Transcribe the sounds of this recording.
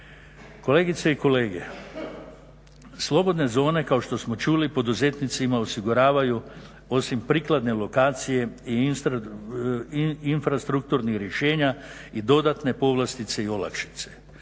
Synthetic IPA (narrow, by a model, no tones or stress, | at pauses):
ko̞le̞ːɡit̪seiko̞le̞ːɡe̞̰ | slˠo̞bo̞d̪ne̞zo̞ːne̞kaoʃt̪o̞smo̞t͡ʃuːlipo̞d̪uze̞t̪nit̪simaosiɡuɾaːʋaju | o̞simpɾiːklad̪ne̞lˠo̞kaːt̪sije̞i | infɾast̪ɾuk̚t̪uɾnixɾje̞ʃe̞ːɲaid̪o̞d̪at̪ne̞po̞ʋlast̪it̪se̞io̞la̰kʃi̥t̪se̞̥